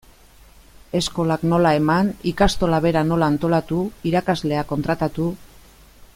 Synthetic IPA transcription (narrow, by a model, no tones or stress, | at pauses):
e̞sko̞lakno̞lae̞manikast̪o̞laβe̞ɾano̞laːnt̪o̞lat̪uiɾakazle̞ako̞nt̪ɾat̪at̪u